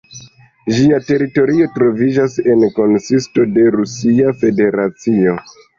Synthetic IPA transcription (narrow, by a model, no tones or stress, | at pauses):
ʒiate̞ɾito̞ɾio̞tɾo̞vid͡ʒase̞nko̞nsisto̞de̞ɾusiafe̞de̞ɾat͡sio̞